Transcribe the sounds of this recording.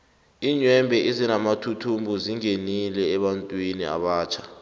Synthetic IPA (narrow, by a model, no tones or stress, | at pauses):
iːɲwɛmbʱɛʔizinamatʰutʰumbʱuziŋenilɛːɓantʼwinḭa̰ɓaːt͡ʃʰḁ